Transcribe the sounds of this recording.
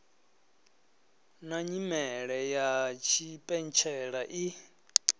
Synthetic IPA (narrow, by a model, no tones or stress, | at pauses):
naɲimɛɺɛjat͡ʃʰipʼɛnt͡ʃʰɛɺaʔi